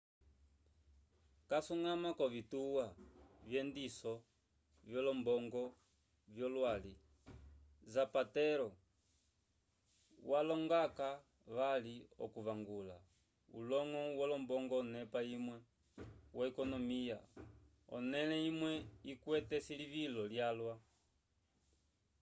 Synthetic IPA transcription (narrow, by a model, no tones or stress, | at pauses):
kasuŋamakɔvituwavjɛndisɔ | vjɔlɔmbɔŋɡɔ | vjɔlwali | zapatɛɾɔ | walɔŋɡaka | βaliɔ̰kuβaŋɡula̰ | ṵlɔŋɔwɔlɔmbɔŋɡɔːnɛpaimwɛ | wʔaɛkɔnɔmija | ɔ̰nɛlɛimwɛikwɛtɛsiliβilɔljalwa